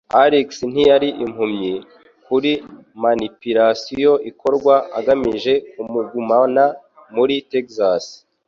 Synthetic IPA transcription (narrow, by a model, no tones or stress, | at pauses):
aɾiksn̥ijaɾiʔim̥humɲi | kuɾimanipiɾasijo̞ʔikʰo̞ɾɡwaaɡamiʒe̞kumuɡumana | muɾitekzas